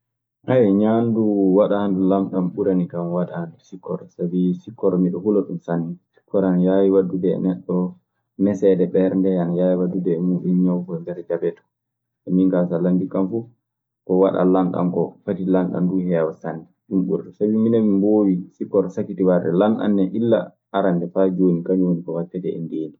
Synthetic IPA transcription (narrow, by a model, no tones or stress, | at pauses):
ʔajɲanduwaɗandulamɗamɓuɾanikamwaɗandusikʰːɔ̰ɾsabisikːɔɾmiɗɔhulɔɗumsanːisi̥kːɔɾanjawiwadːudɛ̰nɛɗːɔ | nɛsɛdɛɓɛɾndɛanajawiwadudɛmuɗunɲawkɔndɛɾd͡ʒabɛtɔ̥ | ʔɛmiŋkasalandikːamfu | kɔwaɗa̰laŋɡa̰nkɔfatilaŋɡa̰nduhɛwasanːɛɗumɓṵɾtɔsabiminamimboːwisikːɔɾsakːitiwaɾdɛ̰lanɗa̰nːɛʔilːa̰ | ʔaɾandɛfad͡ʒoːnikaɲwonikɔwatːɛtɛɛ̰ndeːni